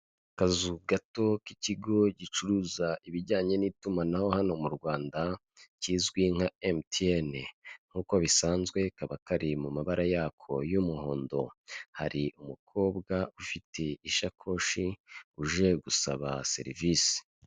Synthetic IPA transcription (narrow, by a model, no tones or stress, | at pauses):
kazuɡato̞kiciɡo̞ɟit͡ʃuɾuːzaʔiβiɾɟaːɲe̞niːtumanaho̞hano̞muɾɡwaːnda | ciːzɡwiŋ̥haemtieneŋ̥huːkoβisaːnzɡwe̞kaβakaɾimumaβaɾajaːkʰo̞jumuho̞̰ːndo̞̰ha̰ɾiʔumukʰo̞ːbɡaufitʰe̞iʃakʰo̞ːʃiuʒe̞ɡusa̰βa̰se̞̰ɾiviːsi̥